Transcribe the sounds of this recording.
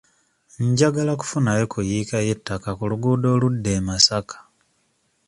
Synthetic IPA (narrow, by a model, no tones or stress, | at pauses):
ɲɟaɡalaku̥funajokʰujikajetːakakuluɡuːdo̞ːludːe̞ːmasakḁ